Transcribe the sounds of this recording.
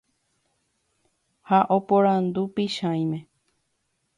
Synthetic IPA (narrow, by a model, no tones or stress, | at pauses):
haʔopõɾãnd̪upiʃãj̃mẽ